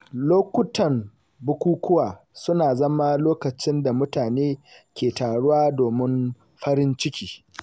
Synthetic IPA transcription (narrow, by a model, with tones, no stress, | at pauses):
loː˦kʷʊ˦tɐ˨m | bʊ˦kʷuː˦kʷʊ˦waː˨ | sʊ˦naː˨zɐ˦ma˦loː˦kɐ˨t͡ʃɪ˦nda˨mʊ˦taː˨neː˦kʲeː˨taː˨ɽʊ˦waː˦doː˨mɪ˦m | ɸɐ˦ɾɪ˦nt͡ʃɪ˦kʲiː˨